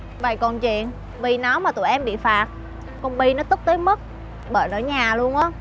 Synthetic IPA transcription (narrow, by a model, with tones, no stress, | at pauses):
ɓa̰˧˨jkɔ˨˩nt͡ɕwḭ˧˨ən | ɓi˧˨˩na˨˦maː˨˩t̪ṵ˧˨jʔɛ˧mɓḭ˧˨faː˨˩t̚ | kɔ˨˩nɓi˧nɔ˨˦t̪ʊ˦˥k͡p̚t̪əː˨˦jmə˦˥t̚ | ɓəː˧˩jnɔ̰ː˧˩ɲaː˨˩lu˧ənʔaː˨˦